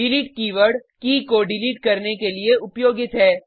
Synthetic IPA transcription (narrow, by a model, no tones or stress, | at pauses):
ɪliːʈkiːʋəɾɽkikoɖɪliːʈ̚kɐɾnekelieʊpjoːɡɪt̪ɦɛː